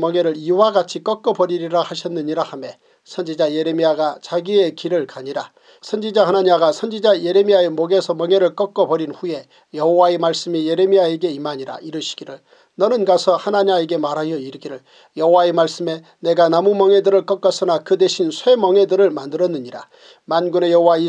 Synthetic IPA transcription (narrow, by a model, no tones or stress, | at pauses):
mʌŋe̞ɾɯɭiwaɡat͡ɕʰik͈ʌk͈ʌbʌɾiɾiɾahaɕʰʌnːɯɲiɾahame̞ | sʰʌnd͡ʑid͡ʑaje̞ɾe̞miaɡat͡ɕaɡie̞kiɾɯɭkaɲiɾa | sʰʌnd͡ʑid͡ʑahanaɲiaɡasʰʌnd͡ʑid͡ʑaje̞ɾe̞miae̞moɡe̞sʰʌmʌŋe̞ɾɯɭk͈ʌk͈ʌbʌɾinɸuje̞ | jʌɦowaemaɭs͈ɯmije̞ɾe̞miae̞ɡe̞imaɲiɾa̰iɾɯɕʰi̥ɡ̥iɾɯɭ | nʌnɯnɡasʰʌhanaɲae̞ɡe̞maɾɦajʌiɾɡiɾɯɭ | jʌɦowaemaɭs͈ɯme̞ | ne̞ɡanamumʌŋe̞dɯɾɯɭk͈ʌk͈ʌsʰɯnakɯdeɕʰinsʰwe̞mʌŋe̞dɯɾɯɭmandɯɾʌnːɯɲiɾa̰ | manɡune̞jʌɦowai